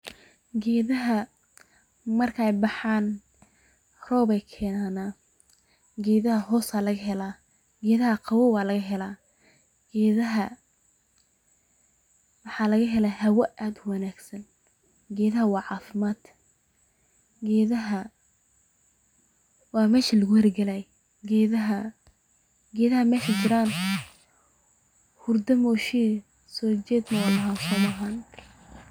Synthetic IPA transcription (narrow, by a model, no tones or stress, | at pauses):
ɡɛːðɐɦɐ | mɐrkʰɐɛjbɑħɑːn | rɔːbɛjkʰɛːnaːnaː | ɡɛːðɐhɐɦɔːsaːlɐɣɐɦɛlaː | ɡɛːðɐɦɐqʰɑwɔwɑːlɐɣɐɦɛlaː | ɡ̥ɛːðɐɦɐ | wɑħɑːlɐɣɐɦɛlahɐwɐʔaːd̪wɑnaːɡsɐn | ɡɛːðɐɦɐwɑːʕɑːfɪmaːd̪ | ɡɛːðɐɦɐ | wɑːmɛːʃɐlɐɣʊhɛrɡɐlɛj | ɡɛðɐɦɐ | ɡɛːðɐhɐmɛːʃɐt͡ʃɪɾaːn | hʊrd̪ɐmɔːʃiː | sɔːt͡ʃɛːd̪nɐwɑlɐɦasɐwɐɦaːn